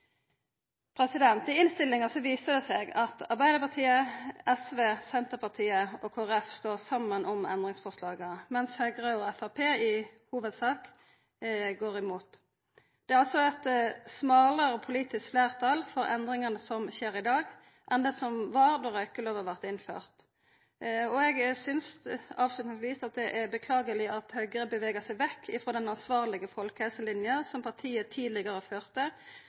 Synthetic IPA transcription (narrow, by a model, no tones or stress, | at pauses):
pʰɾɛsɪd̪ɛnt̪ɪɪnst̪ɪlːɪŋɑsɔʋiːsəd̪ɛsɛɡɑt̪ɑʁbæɪd̪əpɑt̪ʰiːəɛsʋeːsɛnt̪əpɑʁt̪ʰiːəɔkʰoːɛfst̪oːʁsɑmːənʔɔmɛ̰nd̪ʁɪŋsfɔʁʂlɑːɡəmɛnshøːɡʁɑɔɛfɑʁpʰeːɪhuːʋəd̪sɑːk | ɡoːʁɪmuːt̪ | d̪̥ɛæʁɑlsɔɛt̪smɑːləɾɔpʰʊliːt̪ɪskfleːʁt̪ʰɑlfɔɾɛ̰nd̪ʁɪŋɑnəsɔmʃeːɾɪd̪ɑːɡ | ʔɛnd̪ɛsɔmʋɑːʁd̪ɔʁœʏkːəloːʋɑʁʋæʁt̪ɪnfø̰ːʁt̪ | ɔɛɡsʏnsɑːʋslʉt̪nɪt̪ʋiːsɑt̪̚d̪ɛʔæbəkʰlɑːɡəlɪʔɑt̪hœʏɡəɾəbəʋeːɡəsæɪʋɛkʰːɪfɾoːd̪ɛnɑnsʋɑːʁlɪɡəfɔlkəhɛlsəlɪnjənsɔmpʰɑʁt̪ʰiːət̪ʰiːd̪lɪɡəɾɔføːʁt̪ə